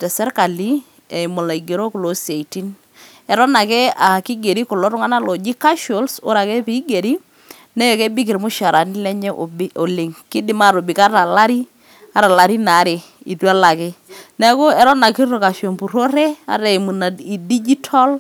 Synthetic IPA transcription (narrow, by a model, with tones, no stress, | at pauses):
tɛ˨sɛ˦ɾka˨li˦ | ɛ˨jmo˨la˨i˨ɡe˨ɾo˦ku˨lo˨˦se˨i˨ti˦n | ɛ˨ɾɔ˦na˨kɛ˦a˨kɪ˦ɡe˨ɾi˦kʊ˨lɔ˦ɾʊ˦ŋa˦na˦lo˨d͡ʒi˦ka˦ʃo˦lsʊ̰˦ɾa˨kɛ˦pi˨˦ɡe˨ɾi˦ | nɛ˦jɔ˨kɛ˦bi˦k̬ɪ˨ɾmʊ˦ʃa˨ɾa˨nɪ˦lɛ˦ɲɛ˦ʔo˨bɪ˦o˨lɪ˨ŋkɪ˦dɪ˨ma˦˨ɾo˨bɪ˨ka˦ɾa˨la˦ɾi˦ | a˦ɾa˨la˨ɾi˦na˨˦ɾe˨ | i˨twa˦la˨ke˦nɛ˦ko˦ɛ˨˦ɾɔ˦na˨ki˦ɾo˨ka˨ʃo˨mpu˨ɾo˦ɾɛ˦a̰˦ɾɛ˨mu˨na˨i˨di˦d͡ʒi˦tʰɔ˦l